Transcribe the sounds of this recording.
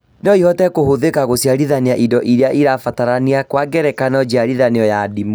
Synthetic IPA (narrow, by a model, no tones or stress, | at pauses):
nɔihɔtɛkohoðekaɣosjaɾiðaniaʔidɔʔiɾeaʔiɾafataɾaniakwaɡɛɾɛkanɔd͡ʒiaɾiðaneɔjadimu